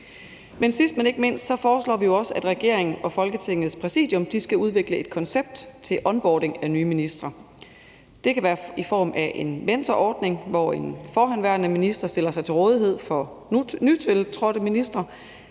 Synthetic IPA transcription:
mensisd̥̚mæne̝ɡ̥əme̝n̰ssɒ̽fɒːslɒ̰ːʋijo̝ɒ̽səʔæd̥ʁɛɡ̥e̝ɐ̰e̝ŋn̩ɒ̽fɒ̽lɡ̥ət͡sʰe̝ŋ̰ð̞̩ˠspʰʁɛsḭðd̥ˠjɔ̽md̥isɡ̥æuð̞ˠʋe̝ɡ̥ləe̝d̥̚kʰɒ̽nseb̥̚d̥t͡sʰe̝lʔɒ̽nb̥ɒːd̥e̝ŋænyːminisd̥ʁɐ | d̥e̝kʰæʋæːɐifɒ̰ːmʔæʔe̝nmend̥ɐʔɒːd̥ne̝ŋʋɒe̝nfɒːɦænʋæɐnəminisd̥ʁɐsd̥e̝l̰ɐsɑ̈ɪt͡sʰe̝lʁɔ̽ːðˠiɦe̝ð̞̰ˠfɒ̽ | nyt͡sʰelt͡sʰʁɔɾ̥əminisd̥ʁɐ

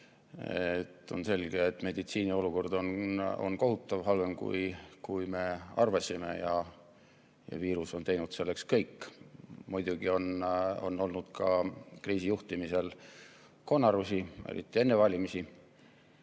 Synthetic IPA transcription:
et̪ːˑo̞̰nse̞lɡ̥e̞et̪ːme̞d̪̥it̪siːnio̞luko̞rd̪̥ono̰nko̞ɦut̪ːˑɑvɦɑlve̞mkṵjkujme̞ɑrvɑsime̞̰jɑ | jɑ̰viːɾuso̞nt̪e̞jnud̪se̞lːe̞kskɤjkːmujd̪̥uɡ̥io̞no̞̰nːo̞lnud̪̥kʰɑkriːsijuht̪imise̞l | ko̞nːɑɾusiḛɾḭt̪ːˑie̞nːe̞vɑlʲimisi

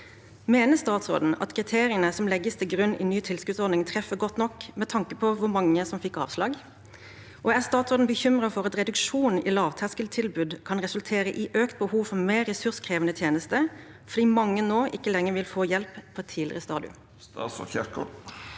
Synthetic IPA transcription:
meːnəst̪ɑːt̪sʁo̰ːd̪n̩ɑ̰t̪kʰɾɪt̪ʰeːɾɪənəsɔmlɛɡəst̪ʰɪlɡɾʉnɪ̰nyːt̪ʰɪlskʉːt̪sɔd̪nɪŋt̪ʰʁɛfəɡɔt̪nɔkːmɛt̪ʰɑŋkəpʰɔʋʊɾmɑŋːəsɔmfɪkːɑ̰ːʋslɑːɡ | ʔɔæst̪ɑːt̪sʁoːd̪n̩bəçʏmʁɑfɔʁɑt̪ɾɛd̪ʉkʃuːnɪlɑːʋt̪ʰæʁskəlt̪ʰɪlbʉːd̪kʰɑnɾɛsʉlt̪ʰeːɾəʔɪʔøːkt̪̚bəhuːʋfɔɾmeːɾɛsʉʁskʰʁeːʋənət̪ʰjeːnəst̪ə | fɔd̪iːmɑŋːənoːʔɪkːəlɛŋːəʋɪlfoːjɛlppʰɔɛt̪ʰːiːlɪ̰ʁəst̪ɑːd̪ɪʊ̰ | ɑ̰sɔ̰çɪk

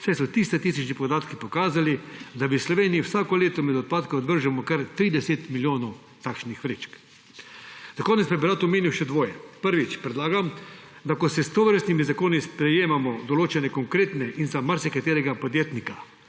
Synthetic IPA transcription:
sɛjsɔt̪ist̪ɛt̪isit͡ʃnipɔd̪aːt̪kipɔkaːzalid̪abislɔʋeːnijiwsaːkɔleːt̪ɔmɛd̪ɔt̪̚paːt̪kɔɔd̪ʋəɾʒamɔkaɾt̪ɾiːd̪ɛset̪miljoːnɔw | t̪akʃnixʋɾeːt͡ʃk | zakoːnɛt̪sbɛbiɾaːt̪ɔmeːniwʃɛd̪ʋoːjɛpəɾʋit͡ʃpɾɛd̪laːɡam | d̪akɔsɛst̪oʋəɾst̪nimizakoːnispɾɛjeːmamɔd̪ɔloːt͡ʃɛnɛkɔŋkɾeːt̪nɛʔinzamːaɾsɛkat̪eːɾɛɡapɔd̪jeːt̪nika

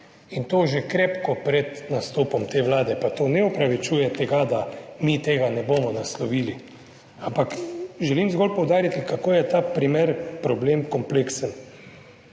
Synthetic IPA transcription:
int̪oːʒekɾepkɔpɾɛd̪nast̪oːpɔmt̪eːʋlaːd̪ɛpat̪oːnɛɔpɾaʋit͡ʃuːjɛt̪ɛɡad̪amit̪eːɡanɛboːmɔnaslɔʋiːli | ampakʒɛliːmzɡɔlpɔwd̪aːɾit̪ikakoːjɛt̪aːpɾimeɾpɾɔbleːmkɔmpleksən

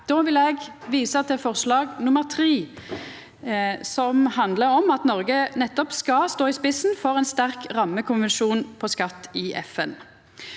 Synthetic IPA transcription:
d̪̥oːʋɪlɛɡʋiːsət̪ʰɛfɔʁslɑːɡnʊməʁt̪ʰʁiː | sɔmhɑnd̪ləɾɔmɑt̪nɔʁɡənɛt̪ːɔpskɑst̪oːɪspɪsnfɔʁɛnst̪æʁkʁɑmːəkʰʊnʋɛnʃuːnpʰɔskɑt̪ːɪʔɛ̰fɛn

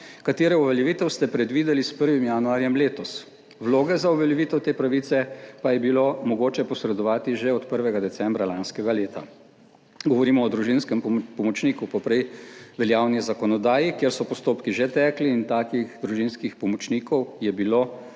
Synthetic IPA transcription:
kat̪eːɾɛɔʋɛljɛʋiːt̪ɛwst̪ɛpɾɛd̪ʋiːd̪ɛlispəɾʋimjanuaːɾjɛmleːt̪ɔs | wloːɡɛzaɔʋɛljɛʋiːt̪ɛwt̪eːpɾaʋiːsɛpajɛbilomɔɡoːt͡ʃɛpɔsɾɛd̪ɔʋaːt̪iʒeɔt̪pəɾʋɛɡad̪ɛsɛmbɾalanskɛɡaleːt̪a̰ | ɡɔʋɔɾiːmɔːd̪ɾuʒinskɛmpɔmɔt͡ʃniːkupɔpɾɛjʋɛljaːwnizakɔnɔd̪aːjikjeːɾsɔpɔst̪oːpkiʒɛt̪ɛkliːnt̪aːkiɣd̪ɾuʒinskixpɔmɔt͡ʃniːkɔwjɛbiloː

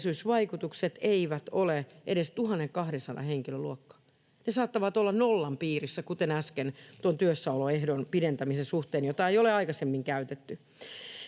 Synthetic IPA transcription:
sysʋɑikut̪ukset̪eiʋæt̪oleʔeɾest̪uhɑnːeŋkɑhɾensɑdɑ̰heŋkiløluokːɑ̥ː | nesɑːt̪ːɑʋɑt̪olːɑnnolːɑmpiːrisːækut̪enæskent̪uont̪yøsːɑuloehdonpident̪æmisensuht̪eːnjot̪ɑeijoleɑikɑsemːiŋkæyt̪et̪ːy

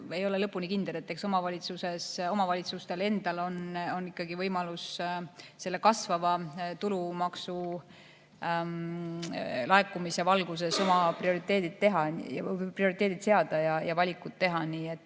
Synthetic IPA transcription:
e̞jo̞le̞lɤpːˑunikind̪̥e̞le̞t̪ːe̞kso̞mɑvɑlʲit̪suse̞so̞mɑvɑlʲit̪sust̪e̞le̞nd̪̥ɑlo̞no̞nːikːˑɑɡivɤjmɑlus | se̞lːe̞kɑsvɑvɑt̪ulumɑksu | lɑekːˑumisevɑlɡ̥use̞so̞mɑprio̞ɾit̪ːˑe̞ːd̪id̪̥̚t̪e̞ɦɑjɑ̰prio̞ɾit̪eːd̪id̪se̞ɑd̪ɑjɑjɑvɑlʲikːˑut̪t̪ːe̞ɦɑniːe̞t̪ːˑ

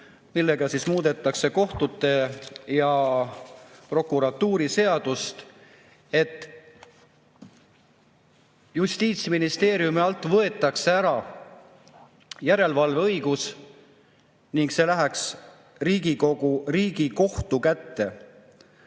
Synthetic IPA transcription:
milːe̞ɡ̥ɑsismuːd̪e̞t̪ːˑɑkse̞ko̞ht̪ut̪ːe̞jɑ | pro̞kːˑuɾɑt̪ːuːɾise̞ɑd̪̥ust̪ | e̞t̪ːˑ | just̪iːt̪sminist̪e̞ːɾjumiɑlt̪ːˑvɤe̞t̪ːˑɑkse̞æɾɑ | jæɾe̞lvɑlvɤ̞jɡ̥us | niŋɡkse̞læɦæks | riːɡ̥iko̞ɡ̥uriːɡ̥iko̞ht̪ukæt̪ːe̞

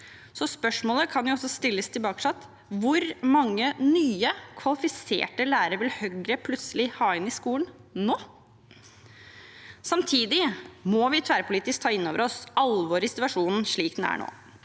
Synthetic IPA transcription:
sɔspœʂmoːləkʰɑnjʊɔsːɔst̪ɪlːəst̪ʰɪlbɑːkə̥ʂɑt̪ | ʋʊɾmɑŋːənyːəkʰʋɑlɪfɪsḛːʈəlæːɾəɾʋɪlhœɡɾəpʰlʉt̪səlɪhɑːɪnːɪskuːln | noː | sɑmt̪ʰiːd̪ɪmɔʋɪt̪ʰʋæːɾpʰʊliːt̪ɪskt̪ʰɑːɪnːoːʋəɾɔsɑlʋoːɾɪsɪt̪ʉʋɑʂuːnn̩ʂɭiːkd̪ɛnæ̰ɳo̰ː

